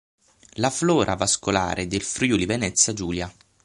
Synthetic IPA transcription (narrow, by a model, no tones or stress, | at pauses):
laflɔːɾʔavaskola̰ːɾʔed̪elfɾyːulivenɛt̪sːjad͡ʒuːlja